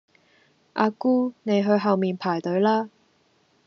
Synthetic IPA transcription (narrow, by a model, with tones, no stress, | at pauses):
ʔa̰ː˧kuː˥ne˨˧jɦɵ˧ɥɦɐ˨wmiː˨npʰaː˨˩jt̪ɵ˨˥ɥlaː˥